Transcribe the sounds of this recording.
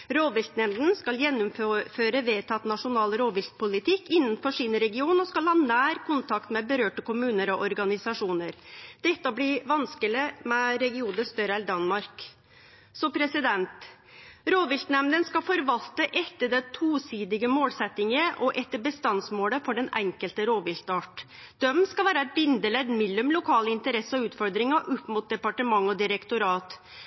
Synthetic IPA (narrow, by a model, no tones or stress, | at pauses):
ɾoːʋɪlt̪nɛmd̪n̩skɑljɛnːʊmfføːɾəʋeːt̪ʰɑt̪nɑʂʊnɑːlɾoːʋɪlt̪̚pʊlɪt̪ʰɪkːɪnːənfɔʂiːnɾɛɡɪuːnɔskɑlhɑːnæːɾkʰʊnt̪ʰɑkt̪mɛbəɾøːʈəkʊmʉːnəɾɔʔɔɾɡɑnɪsɑʂuːnəɾd̪̥ɛt̪ːəblɪʋɑnskəlɪmɛɾɛɡɪuːnd̪əst̪œɾəæld̪ɑnmɑɾk | sɔpʰɾɛsɪd̪ɛnt̪ | ɾoːʋɪlt̪nɛmnd̪ənskɑfɔɾʋɑlt̪əʔɛt̪ːəɖɛt̪ʰuːsiːd̪ɪɡəmoːlsɛt̪ːɪŋəʔɔʔɛt̪ːəbəst̪ɑnsmoːləfɔɖɛnɛŋkəlt̪əɾoːʋɪlt̪ɑːʈ | d̪̥œmskɑʋæːɾəɛt̪̚bɪnd̪əlɛd̪mɪlːʉmlʊkʰɑːləɪnt̪əɾɛsːəɔʉːt̪fɔɾd̪ɾɪŋɑʔʊpːmʊt̪̚d̪ɛpɑʈəmɑŋːɔd̪ɪɾɛkt̪ʊɾɑːt̪